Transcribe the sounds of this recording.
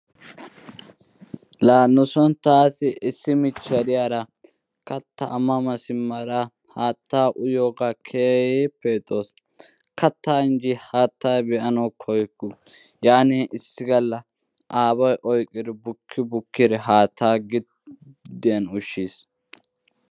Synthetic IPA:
laːnːʊsɔnt̪aːsɪʔɪsːɪmɪt͡ʃːɐɾɪjaːɾɐ | kɐt̪ːɐʔɐmɐmɐsɪmːɐɾa | haːt̪ːaːʔʊjoːɡakʰeːjeːpːeːt̪ʼːoːs | kɐt̪ːaːɪnd͡ʒɪhaːt̪ʰːaːjbɛʔɐnɐwkʰɔjkːʊ | jaːneːʔɪsːɪɡɐlːɐ | ʔaːbɐjʔɔjkʼːɪɾɪbʊkʰːɪbʊkːɪɾɛɦaːt̪ʰːaːɡɪ | d̪ɪjɐnʊʃːiːs

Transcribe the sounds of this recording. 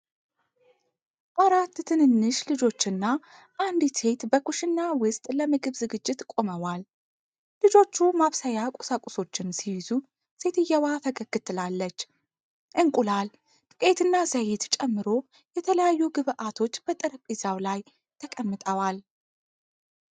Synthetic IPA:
ʔaɾat̪ːt̪ʰɨnɨnːɨʃlɨd͡ʒo̞t͡ʃːɪnːa | ʔand̪se̞t̪bəkʰuʃɪnːawʊst̪ʼləmɨɡɨβzɨɡɨd͡ʒːɪt̪kʼo̞məwal | lɨd͡ʒo̞t͡ʃːumaβsəjakʼusakʼuso̞t͡ʃːɪnsiwizu | se̞t̪ʰɨjːɛwat̪ʰəɡəɡːɨt̪ʰɨlalːət͡ʃː | ʔɨŋkʼulal | t̪ʼɨkʼe̞t̪ɨnːazəjɪt̪t͡ʃʼɛmːɨɾo̞ | jɛt̪ʰələjajːuɡɨβʔat̪ʰo̞t͡ʃːb̥ət̪ʼɨɾkʼːizawlaj | t̪ʰəkʼəmːɨt̪ʼəwal

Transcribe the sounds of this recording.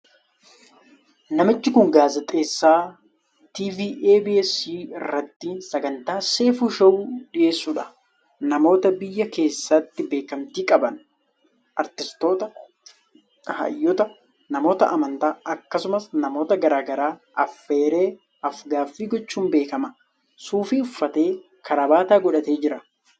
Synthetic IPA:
nɐmɪt͡ʃːɪkʊŋɡaːzɛt̪ʼe̞ːsːaː | t̪iːviːʔeːbɪɛsiːɪrːɐt̪ːiːnsɐɡɐnt̪aːse̞ːfuːʃɐwuːᶑɪʔe̞ːsːuːᶑɐ̥ | nɐmo̞ːt̪ɐbɪjːɐke̞ːsːɐt̪ːɪbe̞ːkɐmt̪iːkʼɐbɐn | ʔɐɾt̪ɪst̪o̞ːt̪ɐ | hɐ̰jːɔt̪ɐ | nɐmo̞ːt̪ɐ̰ʔɐmɐnt̪aːʔɐkːɐsʊmɐsnɐmo̞ːt̪ɐɡɐɾaːɡɐɾaːʔɐfːe̞ːɾe̞ː | ɐfɡaːfːiːɡɔt͡ʃːuːmbe̞ːkɐmɐ | suːfiʊfːɐt̪e̞ː | kʰɐɾɐbaːt̪aːɡɔᶑɐt̪e̞ːd͡ʒɪɾɐ

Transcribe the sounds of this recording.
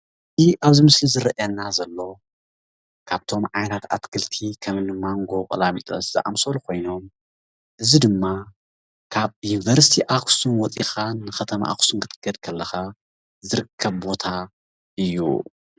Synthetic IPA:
ziʔaβzimɨslizɨɾɐʔɐnːazɐlːo̞ | kʰaβt̪ʰo̞mʕajnat̪a̰t̪kʰɨlt̪ʰikʰɐmɨnɨmaŋɡo̞kʼɐ̰lamit̪ʼɐ̰szɨ̰ʔa̰msolukʰo̞jno̞m | ʔɨzid̪ɨmːa | kʰaβjunivɐɾsi̥t̪ʰiʔakʰsunwɔt͡sʼixanːɨxɐt̪ʰɐma̰ʔa̰ksunkʰɨt̪ʼɨ̥ɡ̥ɐd̪kʰɐlːɐxa | zɨɾɨkʰːɐβbo̞t̪ʰa | ʔɨjːṵ

